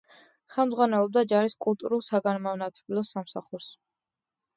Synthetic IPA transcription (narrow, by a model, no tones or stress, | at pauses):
χɛlˠmdzʁwanɛlˠɔb̚d̪ad͡ʒaɾiskʼulˠt̪ʼuɾulˠsaɡanmavnat̪ʰɛbilˠɔsamsaχuɾs